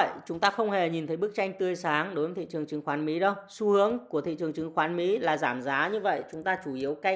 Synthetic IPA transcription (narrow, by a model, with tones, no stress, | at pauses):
ə̰˧˨t͡ɕʊ˨˦ŋ͡mt̪aː˧xə˧wŋ͡mhe˨˩ɲi˨˩nt̪ʰə˨˦jɓɨ˦˥k̚t͡ɕa˧jŋ̟t̪ɨ˧əjsaː˨˦ŋɗo˨˦jvəː˨˦t̪ʰḭ˧˨t͡ɕɨ˨˩əŋt͡ɕɨ˨˦ŋxwaː˨˦nmḭ˨˥ɗə˧wsu˨˦hɨ˨˦əŋku˧˩ət̪ʰḭ˧˨t͡ɕɨ˨˩əŋt͡ɕɨ˨˦ŋxwaː˨˦nmḭ˧˥laː˨˩zaː˧˩mzaː˨˦ɲɨ˧və̰˧˨jt͡ɕʊ˨˦ŋ͡mt̪aː˧t͡ɕu˧˩ʔi˨˦əwka˧